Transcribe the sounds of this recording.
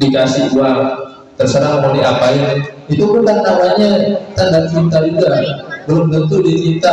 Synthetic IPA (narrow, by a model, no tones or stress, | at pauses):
ikasiual | t̪ərsəɾaŋmaniapajaŋ | it̪upʊnlanamaɲat̪andaʔt͡ʃint̪alidabəlʊmbənt̪̬uditint̪a